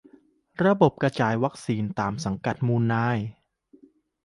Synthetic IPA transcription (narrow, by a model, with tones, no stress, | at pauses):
ɾa˧bo˨˩p̚ka˧t͡ɕaː˨˩jwa˦˥k̚siː˧nt̪aː˨˩msa˩˦ŋka˨˩t̪̚muː˧nːaː˧˥˩j